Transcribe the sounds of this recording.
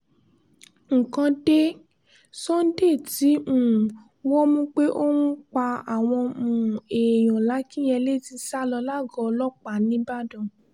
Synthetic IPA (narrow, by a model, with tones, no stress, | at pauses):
ŋ̩˨kã˧de˦ | sɔ̃˦n̩˦de˦˨ti˨˦mũ˦˨ | wɔ˦mũ˦k͡pe˦ʔo˦nũ˦k͡pa˧a˨w̃ɔ̃˧mũ˨e˨j̃ɔ̃˨la˨˦kĩ˦j̃ɛ̃˧le˦˨ti˧sa˦lɔ˧la˦˨ɡɔ˨˦lɔ˦k͡pa˨˦nĩ˨˦ba˦dɔ̃˨